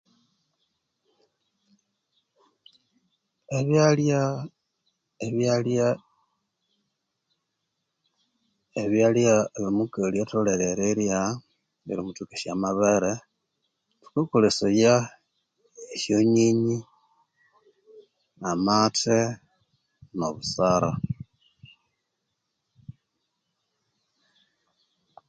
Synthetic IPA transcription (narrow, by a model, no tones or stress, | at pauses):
eβjalja | eβjalja | eβjaljaeβimukeljatoleɾeɾelja | βḭlimutuke̥samaβeɾe | tu̥kekuleseja | eʃjoɲiɲi | amatʰe | no̰βusaɾa